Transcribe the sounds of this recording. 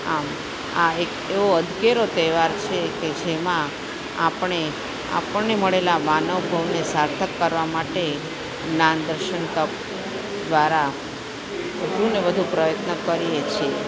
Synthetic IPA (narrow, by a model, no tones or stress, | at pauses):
am | aek | eʋoəd̪ʱkeɾot̪ɛʋaɾt͡ʃʰeked͡ʒemã | a̰pɳ̃e | a̰pəɳneməɭelamanəʋbʱəʋnesaɾt̪ʰəkːəɾʋamaʈe | nand̪əɾʃənt̪əp̚ | d̪ʋaɾa | bəd̪ʱunebəd̪ʱupɾəjət̪nəkəɾiet͡ʃʰe